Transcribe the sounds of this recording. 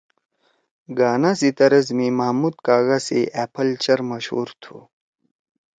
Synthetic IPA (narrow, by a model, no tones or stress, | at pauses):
ɡaːnasit̪ɐɾɐzmẽmɐɦmuːd̪̚kaːɣaseʔɛpʰɐlt͡ɕɐɾmɐɕhṵːɾt̪ʰṵː